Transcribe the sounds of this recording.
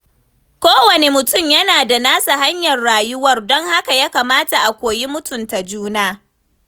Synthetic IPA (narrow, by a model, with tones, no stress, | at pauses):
kʷoː˦wɐ˨ne˨mʊ˨tʊ˦˨mjɐ˦naː˨da˨naː˦sa˨ha˦ɲjɐ˨rːaː˨jʊ˦wɐ˦rdɔ˦ŋha˦ka˨jaː˦kaː˨maː˦ta˨ʔa˨kʷoː˨ji˦mʊ˦tʊ˨nta˨d͡ʒuː˦naː˦